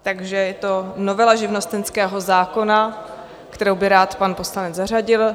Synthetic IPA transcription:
t̪aɡʒɛjɛt̪o̞novɛlaʒɪvno̞st̪ɛnskɛːɦo̞zaːko̞na | kt̪ɛɾowbɪɾaːt̪panpo̞slanɛd͡zzar̝aɟɪl

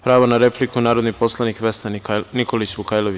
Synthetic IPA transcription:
pɾaːʋonaɾeplikunaːɾod̪nipo̞slˠanikʋesnanikolit͡ɕbukajlˠoʋi

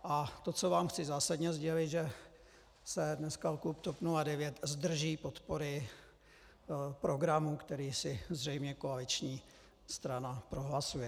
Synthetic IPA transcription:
ʔat̪o̞t͡so̞vaːmxt͡sɪzaːsadɲɛzɟɛlɪt̪ʒɛ | sɛdnɛskalkupt̪o̞pnuladɛvjɛt̪zd̪r̩ʒiːpo̞t̪po̞ɾɪ | pɾo̞ɡɾamukt̪ɛɾiːsɪzrɛjmɲɛko̞alɪt͡ʃɲiː | st̪ɾanapɾo̞ɦlasujɛ

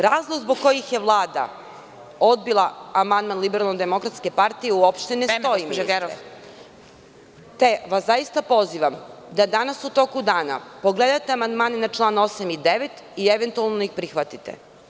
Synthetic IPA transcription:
ɾaːzlˠoɡzbo̞ɡko̞jixje̞ʋlˠaːd̪a̰ | o̞d̪̚bilˠaamand̪manlibeɾalˠnod̪emo̞kɾat̪ske̞paɾt̪ijeuopʃt̪enest̪o̞jimɾo̰ | t̪eʋasajist̪apo̞ziʋamd̪ad̪anasut̪o̞kud̪aːna̰poɡled̪ajt̪eamand̪maːnenat͡ʃlˠaːnosamid̪eʋet̪ | ieʋent̪ualˠnoixpɾixʋat̪it̪ḛ

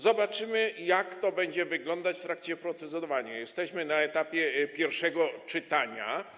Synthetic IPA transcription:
zɔbat͡ʂɘmɘjakt̪ɔbɛɲd͡ʑɛvɘɡlɔnd̪at͡ɕft̪ɾakt͡ɕɛpɾɔt̪sɛzɔɔvaɲajɛst̪ɛɕmɘnaɛt̪apʲjɛpʲjɛɾfʂɛɡɔt͡ʂɘt̪aɲa̰

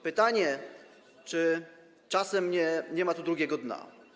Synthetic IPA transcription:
pɘt̪aɲɛ | t͡ʂɘ | t͡ʂasɛmɲɛɲɛmat̪ud̪ɾuɡʲɛɡɔd̪na̰

